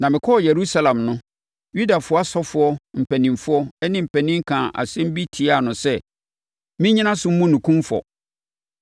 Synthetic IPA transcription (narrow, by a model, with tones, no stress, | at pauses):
nã˨mɪ̃˨kʰɔ˦˨je˨ɾu˦sa˦lã˨mnʊ̃˦ | ju˦da˨fʊ˦ɔ˦a˦sɔ˦fʊ˦ɔ˦m̩˨pʰæ˨nĩ˨mfʊ˦ɔ˦ɛ˦nɪ̃˦m̩˨pʰɛ˨nĩ˦ŋ̩˦kʰã˨ʔa̰˨sɛ̃˦m̩˦bi˦tʰi˨˦a˦˨nʊ̃˨sɛ˦ | mĩ˦ɲĩ˦nã˦sʊ˦m̩˦mũ˦nũ˨kʰũ˦mfɔ̰˨